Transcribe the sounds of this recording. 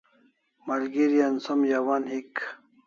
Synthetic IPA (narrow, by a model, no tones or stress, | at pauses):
mɐɾɡiɾijɐnsɐmjaːwaːnhik